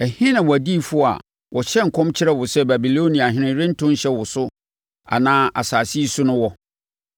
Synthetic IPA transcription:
æ˨hĩ˦nã˨wɔ˨æ˨di˦˨fʊ˦a̰˨ | wɔ˨ɕɛ˦ŋ̩˨kʰɔ̃˦mt͡ɕʰɪ˦ɾɛ˦wʊ˨sɛ˦bæ˨bi˨lo˦nĩ˨a˨ɦɪ̃˨˦nɪ̃˦ɾɪ̃˦n̩˦tʰʊ̃˦ɕɛ˦wʊ˨sʊ˦ | a̰˨nãː˦ʔa̰˨saː˨si˦sʊ˦nʊ̃˦wɔ˦

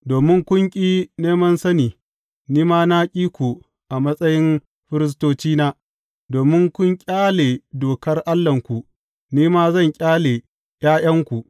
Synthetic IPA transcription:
doː˨mɪ˦ŋkʷʊ˦ŋkʲʼiː˦neː˦mɐ˦nsɐ˦niː˨ | niː˦maː˦naː˦kʲʼiː˦kʷu˨ | ʔa˨mɐ˦sʼɐ˦jɪ˦n | ɸɪ˦ɾɪ˦s̬toː˦t͡ʃiː˦naː˦ | doː˨mɪ˦ŋkʷʊ˦ŋkʲʼaː˦leː˨doː˨kɐ˦rʔa˦lːɐ˨ŋkʷu˨ʔ | niː˦maː˦zɐ˦˨ŋkʲʼaː˦le˨ | j̰aː˦jɐ˦ŋkʷu˨ʔ

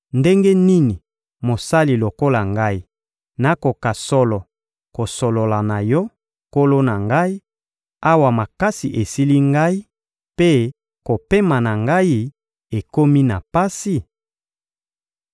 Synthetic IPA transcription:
nde˦ŋɡe˦ni˦ni˨ | mo˨sa˦li˨lo˨ko˦la˨ŋɡa˦i˦ | na˨ko˨ka˨sɔ˦lɔ˨ | ko˨so˨lo˨la˨na˨jɔ˦ | ko˦lo˦na˨ŋɡa˦i˦ | a˦wa˨ma˨ka˦si˨ʔe˨si˦li˦ŋɡa˦i˦ | pe˦ | ko˨pe˦ma˨na˨ŋɡa˦i˦ | e˨ko˦mi˦na˨pa˦si˨

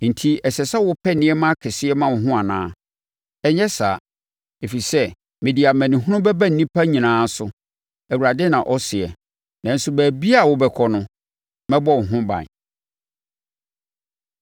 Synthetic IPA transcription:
n̩˨tʰi˦ɛ˨sɛ˨sɛ˦wʊ˦pʰɛ˦nɪ̃˦ɛ˦mã˦kʰɛ˨sɪ˦ɛ˦mã˦˨wɦʊ̃˦a˨nã̰ː˦ | ɛ˦ɲɛ˦sa˨ | e˨fi˨sɛ˦ | mɪ̃˨di˨a˨mæ̃˨nĩ˨ɦʊ̃˦ʊ̃˦bɛ˦bæ˦n̩˨nĩ˦pʰa˦ɲĩ˨nãː˨˦sʊ˦ | æ˨u˨ɾa˨dɪ˦nã˨ʔɔ˦sɪ˨ɛ˨ | nã˨n̩˦sʊ˦bæː˨bi˦a˦˨wʊ˦bɛ˨kʰɔ˦nʊ̃˦ | mɛ̃˦bɔ˦wɦʊ̃˦bã̰˨

